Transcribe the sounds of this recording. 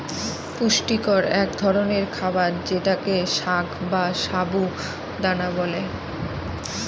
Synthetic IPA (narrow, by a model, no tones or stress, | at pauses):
puʃʈikoɾɛkd̪ʱɔɾoneɾkʰabaɾd͡ʑeʈakeʃaɡbaʃabu | d̪anabole